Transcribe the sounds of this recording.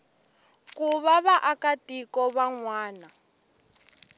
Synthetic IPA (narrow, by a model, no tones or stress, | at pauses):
kuβaβaʔakatʼikɔβaŋwaːna